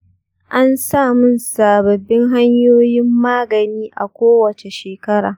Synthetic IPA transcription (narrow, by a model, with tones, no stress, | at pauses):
ʔa˦nsaː˦˨mʊ˦nsaː˨bɐ˨bːɪ˦ŋɦa˦ɲjoː˦jɪ˦mːaː˦ɡɐ˨niː˦ʔa̰˨kʷoː˦wɐ˨t͡ʃe˨ʃeː˨kɐ˦ɽaː˨